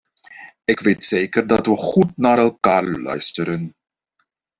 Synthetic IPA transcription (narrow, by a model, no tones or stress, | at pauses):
ɪkʋeːtseːkərdɑtʋəχutnaːɾɛlˠkaːɹlœ̰ɥstəɾən